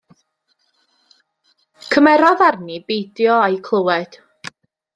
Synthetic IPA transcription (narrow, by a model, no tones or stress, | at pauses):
kʰəmɛɾɔðarnibejdjɔajkʰlˠəwɛd̥